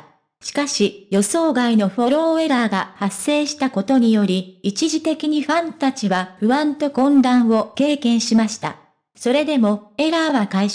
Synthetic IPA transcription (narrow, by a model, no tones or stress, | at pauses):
ɕi̥kaɕijo̞so̞ːɡaino̞ɸo̞ɾo̞ːe̞ɾaːɡahasːe̞ːɕi̥t̪ako̞t̪o̞ɲ̟ijo̞ɾʲiit͡ɕiʑit̪e̞kʲiɲ̟iɸãnt̪at͡ɕiβaɸɯ̟βãnt̪o̞kõ̞nd̪ãɰ̃βo̞ke̞ːkẽ̞ɰ̃ɕimaɕi̥t̪a̰ | so̞ɾe̞d̪e̞mo̞e̞ɾaːβakai